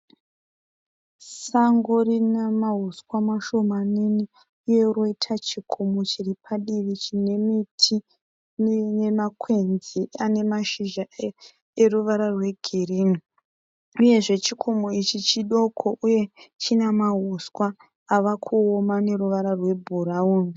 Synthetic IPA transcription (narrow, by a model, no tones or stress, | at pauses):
saŋɡorinamaɦuskwamaʃo̞manini | ije̞ɾo̞itʰat͡ʃikʰo̞mot͡ʃiripʰaɗiʋit͡ʃine̞mitʰi | nnemakʰwe̞nziane̞maʃiʒae | e̞ruʋaɾarwe̞ɡʱiriːno | uje̞ʐe̞t͡ʃikʰo̞moit͡ʃit͡ʃiɗo̞kʰo̞ʔuje̞t͡ʃinamaɦuswaː | ʋakʰuomane̞ɾuʋaɾarwe̞bʱuɾauni